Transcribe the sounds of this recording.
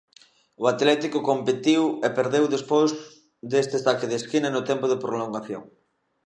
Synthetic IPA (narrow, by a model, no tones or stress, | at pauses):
oat̪lɛt̪ikʊkompet̪iwepeɾðewðespoz | d̪est̪est̪akeðeskinɐnʊt̪ɛmpʊðepɾoloŋɡaθjo̰ŋ